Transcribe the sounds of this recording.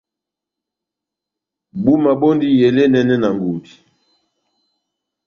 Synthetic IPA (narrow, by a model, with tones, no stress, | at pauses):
bu˦ma˨bo˦ndi˦jɛ˨lɛ˦nɛ˦nɛ˦na˨ŋɡu˨mbi˨